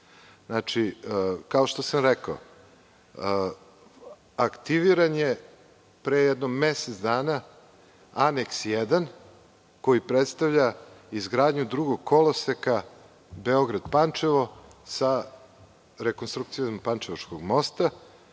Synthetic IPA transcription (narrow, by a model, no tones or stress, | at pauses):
nat͡ʃikao̞ʃt̪o̞samɾɛkao | akt̪iʋiɾanje | pɾejɛd̪nomːeset̪sd̪aːna | aneksjed̪an | ko̞jipɾet̪st̪aʋʎaizɡɾaːd̪ɲud̪ɾuɡoɡ̚kʰːo̞loseka | beo̞ɡɾad̪pant͡ʃeʋo̞sa | ɾekonst̪ɾukt̪sijompant͡ʃeʋaʃkoɡmo̞st̪a